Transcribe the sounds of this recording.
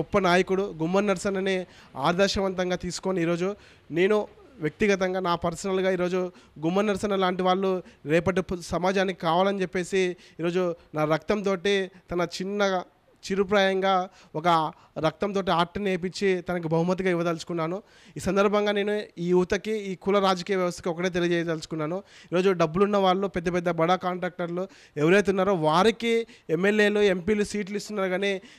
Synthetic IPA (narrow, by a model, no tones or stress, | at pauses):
ɔpːɐnaːjɐkuɽuɡumːɐnɐɾsɐnɐni | aːd̪ɐːʃɐʋɐnt̪ɐŋɡaːt̪iːsu̥koːniiːɾo̞ːd͡ʒu | ne̞ːnu | ʋjɐk̚t̪iɡɐt̪̬ɐŋɡaːnaːpɐɾsɐnɐlɡaːiːɾoːd͡ʒu | ɡumːɐɾnːɐɾsɐnɐlaːɳʈiʋaːɭːuɾɛːpɐʈ̬isɐmaːd͡ʒaːnikikaːʋaːlɐnit͡ʃepːe̞ːsiiːɾo̞ːd͡ʒunaːɾɐk̚t̪ɐmt̪̬o̞ːʈit̪ɐnɐt͡ʃinːɐ | t͡ʃiɾupɾaːjɐŋɡaː | ɔkɐ | ɾɐk̚t̪ɐmt̪̬o̞ːʈ̬iaːɾʈineːp̬it͡ʃːit̪ɐnɐk̬ibʱɐɦumɐt̪̬ːiɡaːiʋːɐd̪ɐlsu̥kunːaːnu | iːsɐnd̪ɐɾbʱɐŋɡaːne̞ːnuiːjuːt̪ɐkiiːkuːlɐɾaːd͡ʒɐkiːjɐʋjɐʋɐst̪ɐ̥kiɔkɐʈeːt̪̬eliɐd͡ʒɛːd̪ɐlsu̥kunːaːnuiːɾo̞ːd͡ʒuɖɐbːulunːɐʋaːɭːupɛd̪ːɐpɛd̪ːɐbɐɽaːkaːɳʈɾaːk̚ʈɐɾlu | eʋɐɾeːt̪̬unːaːɾuʋaːɾikiemːe̞lje̞ːlue̞mpiːlusiːʈluist̪unːaːɾuɡaːneː